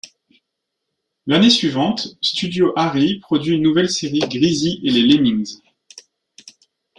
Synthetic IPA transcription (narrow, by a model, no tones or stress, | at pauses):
lanesɥivɑ̃t̪st̪yd̪joʔaʁipχɔd̪ɥiynːuvɛlseʁiɡʁiziʔelelemiŋz